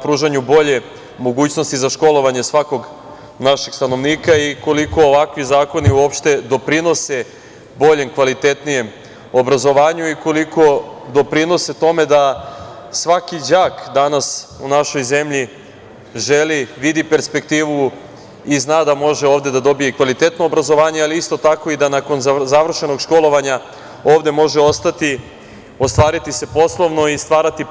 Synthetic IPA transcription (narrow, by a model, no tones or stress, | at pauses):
pɾuːʒaɲubo̞ʎe̞ | mo̞ɡuːt͡ɕno̞st̪izaʃko̞lˠo̞ʋaɲe̞sʋako̞ɡ | naʃeɡ̥st̪anoʋniːkaiko̞liko̞ːʋakʋizaːko̞niuo̞pʃt̪e̞d̪o̞pɾino̞se | bo̞ʎemkʋalit̪e̞t̪nije̞m | obɾazo̞ʋaːɲuikoliko̞d̪o̞pɾino̞set̪o̞me̞d̪a | sʋakid͡ʑaːkd̪anasunaʃo̞jze̞mʎi | ʒeliʋid̪ipe̞ɾspe̞kt̪iːʋu | iznaːd̪amo̞ʒeo̞ːʋd̪e̞d̪ad̪o̞bije̞kʋalit̪e̞t̪noːbɾazo̞ʋaːɲe̞aliist̪o̞t̪ako̞id̪anako̞nzaʋr̩ʃe̞no̞ɡʃko̞lˠo̞ʋaɲa | o̞ːʋd̪e̞mo̞ʒeo̞st̪at̪i | ost̪ʋaːɾit̪ise̞po̞slˠoʋno̞ist̪ʋaːɾat̪i